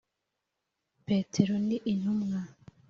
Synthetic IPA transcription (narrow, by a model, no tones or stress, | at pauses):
peːtʰeɾondiʔin̥humŋa